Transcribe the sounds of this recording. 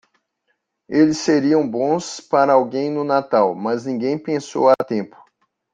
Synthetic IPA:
elɪsːeɾiɐ̃w̃bõspaɾɐawɡẽj̃nʊnat̪awmɐznĩɡẽj̃pẽso̰wat̪ẽpʊ̥

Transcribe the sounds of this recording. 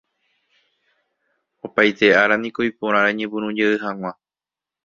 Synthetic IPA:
o̞pajt̪e̞aɾanĩkojpõɾ̃ãɾaɲẽbɨ̃ɾ̃ũd͡ʒeɨɦãŋ̃ʷã

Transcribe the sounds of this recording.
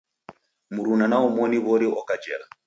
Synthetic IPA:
muɾunanaɔmɔniβɔɾiɔkad͡ʒɛla

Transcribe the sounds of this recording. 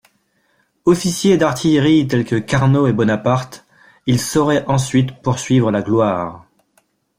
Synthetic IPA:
ɔfisjed̪aʁt̪ʰijʁit̪ɛlkəkaʁnoebɔnapaʁt̪ | ilsɔʁɛʔɑ̃sɥit̪puʁsɥivʁəlaɡlwaːʁ

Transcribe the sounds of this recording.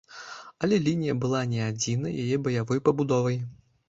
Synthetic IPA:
ɐlʲɛlʲinʲijɐbɨlˠanʲɛad͡zʲinɐ̰jajɛbɐjavɔjpɐbud̪ɔvɐj

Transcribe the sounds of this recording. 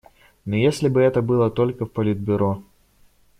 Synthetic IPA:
nojesʲlʲɪbɨɛt̪əbɨlˠət̪o̞lʲkəfpəlʲid̪̚bʲʊɾo̞

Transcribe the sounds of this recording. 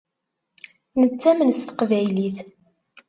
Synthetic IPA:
nət͡sːæmənst̪ə̥qvæjliθ

